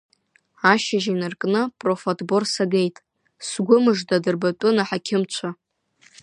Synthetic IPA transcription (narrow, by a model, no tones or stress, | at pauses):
aʃaʒinarkʼnɨpʼro̞fotʰʼbo̞rsaɡe̞jtʼ | sɡʷʊmɨʐdadɨrbat͡pʼʊnaħakʲʰɪmt͡ʃʷʰa